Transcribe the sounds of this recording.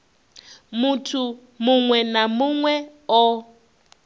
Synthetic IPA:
mutʰu | muŋwɛnamuŋwɛ | ɔ

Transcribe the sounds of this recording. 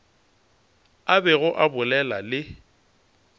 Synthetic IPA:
abɛɣʊʔabʊlɛlalɪ

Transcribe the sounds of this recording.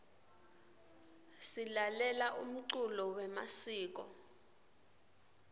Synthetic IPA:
silalɛlaʔum̩ǀulɔwɛmasiːk̬ɔ̰

